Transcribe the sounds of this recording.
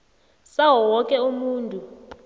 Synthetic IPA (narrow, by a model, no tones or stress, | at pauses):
saɦwɔwɔkʼɛumuːntʼu